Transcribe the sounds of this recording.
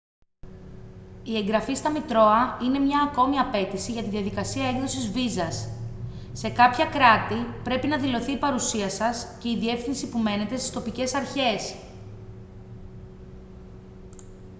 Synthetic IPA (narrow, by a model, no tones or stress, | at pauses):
ie̞ŋɡɾɐfist̪ɐmit̪ɾo̞ɐine̞mɲɐːko̞miɐpe̞t̪isiʝɐt̪inðiɐðikɐsiɐeɡðo̞sizvizɐsː | e̞kɐpçɐkɾɐt̪ipɾe̞pinɐðilo̞θiːpɐɾusiɐsɐsce̞iðie̞fθinsipume̞ne̞t̪e̞st̪i̥st̪o̞pice̞sɐɾçe̞s